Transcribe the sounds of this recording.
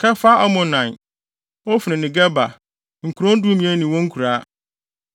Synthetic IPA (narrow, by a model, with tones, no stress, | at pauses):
kʰɛ˦fa˦a˦mʊ̃˨nã˨n | wɔ˦fi˨nɪ̃˨nɪ̃˨ɡɛ˦ba̰˨ | ŋ̩˨kʰu˨ɾɔ̃˦n˦du˦mĩ˦ɛ˦nĩ˨wɔ̃˦ŋ̩˦kʰu˨ɾa˦